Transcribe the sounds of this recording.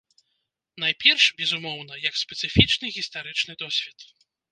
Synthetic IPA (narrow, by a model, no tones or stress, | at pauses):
najpʲɛrʂbʲɛzumɔwnɐjɐkspʲɛt̪sɨfʲit͡ʂnɨɣʲist̪aɾɨt͡ʂnɨd̪ɔsʲvʲɛt̪